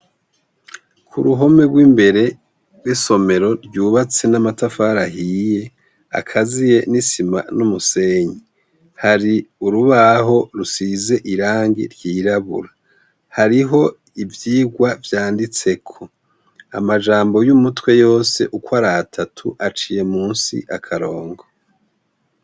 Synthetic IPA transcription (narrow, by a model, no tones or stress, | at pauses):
kʰṵɾuɦo̞me̞ɡɡwiːmbe̞ɾe̞̥ | wiso̞me̞ɾo̞ɾɟuːβat͡se̞namatafaɾahije̞ | a̰kʰazije̞nisima̰numuse̞ɲi | haɾiuɾuβaɦo̞ɾusize̞ʔiɾaːŋɡḭɾjiːɾaβṵɾa | haɾiɦo̞ | ivjiːɡwavjaːndit͡se̞kʰo̞ | a̰mad͡ʒaːmbo̞jumutwe̞jo̞ːse̞̰ʔukwaɾaːtʰatʰuʔat͡ʃije̞muːnsḭʔakʰaɾo̞ːŋɡo